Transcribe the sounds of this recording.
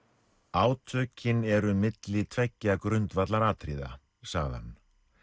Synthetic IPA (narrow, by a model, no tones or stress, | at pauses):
aːwt̪ʰœːcːɪnɛɾʏmɪt̪lɪt̪ʰvɛcːakɾʏnt̪vat̪laɾaːt̪ʰɾḭːða̰ | saɣðɪ̰ha̰nː